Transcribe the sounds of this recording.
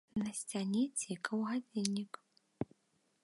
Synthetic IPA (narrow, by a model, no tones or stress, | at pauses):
nɐsʲt͡sʲanʲet͡sʲikʰɐwɣad͡zʲinʲːik